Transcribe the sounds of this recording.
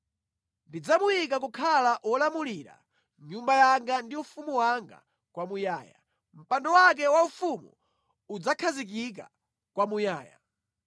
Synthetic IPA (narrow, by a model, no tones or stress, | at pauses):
ndid͡zamujik̬ak̬ukʰalaʔwɔlamuliɾa̰ | ɲumbajaŋɡandiufumuwaŋɡa̰ | kwamujaːja̰ | m̩pandɔwak̬ɛwaufumṵ | ud͡zakʰazik̬ik̬a̰ | kwamujaːja̰